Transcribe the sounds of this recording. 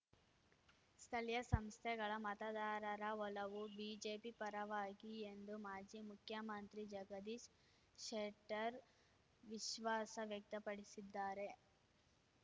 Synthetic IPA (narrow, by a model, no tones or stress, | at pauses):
st̪ʰɐljɐsɐmst̪ʰɛɡɐɭɐmɐt̪ɐd̪aːɾɐɾɐʋɔlɐʋubid͡ʒeːpipɐɾɐʋaːɡiend̪umaːd͡ʒimukʰjɐmɐnt̪ɾid͡ʒɐɡɐd̪iːʃ | ʃeʈɐɾ | ʋiʃʋaːsɐʋjɐk̚t̪ɐpɐɽisid̪ːaːɾe̞